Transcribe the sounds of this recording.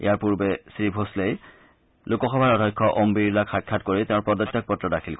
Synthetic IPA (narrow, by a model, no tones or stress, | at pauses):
ḭjaɹpuɹbesɹibʱoslej | lukɔxɔbʱaɹɔdʱɔjkʰːɔʔombilakʰːakʰːatkoɹiteʊ̃ɹpɔdɔtːak̚pɔtːɹɔdakʰilk